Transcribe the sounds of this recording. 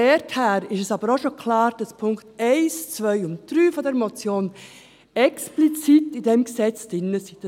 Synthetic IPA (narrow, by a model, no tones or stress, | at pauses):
ɛthæːɾɪʃɛsɑbəɾoʃokʰlɑːɾd̥ɑspʰʊŋktɛɪst͡sʋœʏʊnt̚d̥ɾyːfɔdɛɾmɔt͡sjoːn | ɛksplit͡sitidɛmksɛt͡sd̥ɪnːəsi̥